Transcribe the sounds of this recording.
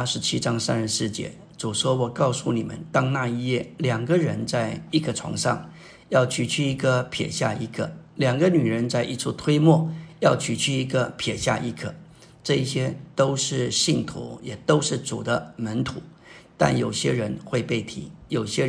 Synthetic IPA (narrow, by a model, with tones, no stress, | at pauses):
ʂɻ̩˧˥t͡ɕʰi˥ʈ͡ʂɑ˥ŋsa˥nʂ̩˧˥˧sɻ̩˥˩t͡ɕjɛ̰˧˥ | t͡su˨˩ʂwɔ˥wɔ˨˩kɑ˥˧ʊsu˥˩ni˨˩mə̰˧˦nt̪ɑ˥ŋna˥˧i˥˧jɛ˥˩ljɑ˨˩ŋɡə˦ɻə˧˥nt͡sa˥˧ɪi˥˩ɡə˩ʈ͡ʂʰwɑ̰˧˥ŋʂɑ̰˥˧˩ŋ | jɑ˥˧ʊt͡ɕʰy˥˧˩t͡ɕʰy˥˩i˧˥ɡə˧pʰjɛ̰˨˩ɕja̰˥˩i˧˥˩kʰə̰˥˩ljɑ˨˩ŋɡə˦ny˨˩ɻə˧˥nt͡sa˥˩ɪʔi˧˥t͡sʰu˥˧t̪ʰwe˥ɪmwɔ˥˩jɑ˥˧ʊt͡ɕʰy˨˩t͡ɕʰy˥˩i˧˥ɡə˧pʰjɛ˨˩ɕja̰˥˧ʔi˥˩kʰɤ˨˩ | ʈ͡ʂɤ˥˧i˥˩ɕjɛ˥t̪o˥ʊʂɻ̩˥˩ɕi˥˩ŋt̪ʰṵ˧˥jɛ˨˩t̪o˥ʊʂɻ̩˥˩t͡sṵ˨˩d̪ə˦mə˧˥nt̪ʰṵ˧˩˦ | t̪a̰˥˩njo˨˩ʊɕjɛ̰˥ɻə˧˥nxwe˥˧ɪpe˥˩ɪt̪ʰḭ˧˥jo˨˩ʊɕjɛ˥